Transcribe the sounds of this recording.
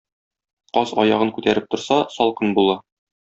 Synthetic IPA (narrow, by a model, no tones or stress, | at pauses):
qɒzɒjɑʁɤŋkʉt̪æɾɘp̚t̪ŏɾsɑsɒlˠqɤnbulˠɤ